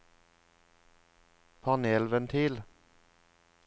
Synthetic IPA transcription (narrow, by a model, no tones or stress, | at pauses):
pʰɑneːlʋənt̪ʰɪːl